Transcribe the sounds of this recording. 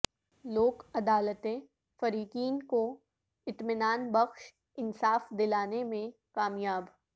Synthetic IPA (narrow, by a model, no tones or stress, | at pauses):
loːkɐd̪aːlət̪ẽ | fɐɾiːkiːnko | ɪt̪mɪnaːnbɐxʃ | ɪnsaːfd̪ɪlaːnemẽ | kaːmjaːb